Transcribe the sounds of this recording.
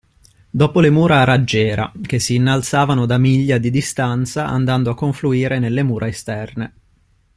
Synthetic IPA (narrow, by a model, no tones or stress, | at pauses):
d̪ɔːpolemuːɾaɾad͡ʒːɛːɾa̰k̟esːiːnːalt̪saːvanod̪amiʎːad̪id̪ist̪ant̪saʔa̰nd̪and̪oakːoɱfluiːɾenelːemuːɾʔaest̪ɛrne